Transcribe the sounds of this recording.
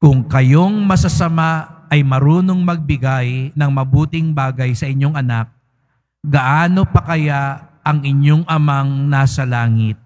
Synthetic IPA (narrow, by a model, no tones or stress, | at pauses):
kʊŋkɐjo̞ŋmɐsɐsɐmaɐjmɐɾuːno̞ŋmɐɡ̚bɪɡajnɐŋmɐbuːt̪ɪŋbaːɡɐjsɐʔɪɲːo̞ŋɐnak̚ | ɡɐʔaːnopɐkɐjaɐŋɪɲo̞ŋʔɐmaŋnaːsɐlaːŋɪt̪̚